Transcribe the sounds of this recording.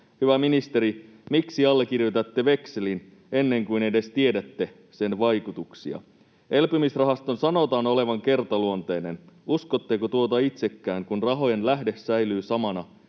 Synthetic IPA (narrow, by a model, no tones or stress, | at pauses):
hyʋæminist̪e̞ɾi | miksiɑlːek̟irjot̪æt̪ːe̞ʋe̞kselin | enːe̞ŋkuine̞de̞st̪ie̞dæt̪ːe̞ | se̞nʋɑjkut̪uksiɑ̰ | e̞lpymisrɑɦɑst̪o̞nsɑno̞t̪ɑːno̞le̞ʋɑŋke̞rt̪ɑluo̞nt̪ejnenuskot̪ːekot̪uot̪ɑit̪se̞kːæːŋkunrɑɦo̞je̞nlæɦde̞ssæjlyːsɑmɑnɑ